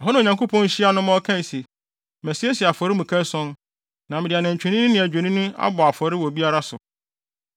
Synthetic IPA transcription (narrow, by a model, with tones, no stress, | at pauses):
a˨ɦɔ˦nã˨ɲã˨ŋko˦pʰɔ̃˦n˦ɕi˦a˦nʊ̃˦mɔ˦kʰã˦n˨se˨ | mæ˨si˦e˦si˨a˨fɔ˨ɾɪ˦mũ˨kʰã˦sɔ̃˦n | nã˨mɪ̃˨dɪ˨a˨nɪ̃˨ɲ̩˨t͡ɕᶣe˨nĩ˦ɪ̃˦nɪ̃˨æ˨d͡ʑᶣe˨nĩ˦nʊ̃˦a̰˦bɔ˨a˨fɔ˨ɾɪ˦wɔ˨bi˦a˦ɾa˦sʊ̰˨